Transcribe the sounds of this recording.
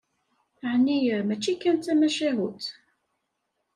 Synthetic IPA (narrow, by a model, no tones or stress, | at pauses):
ʕnːijmæt͡ʃːikːænt̪æmæʃiɦut̪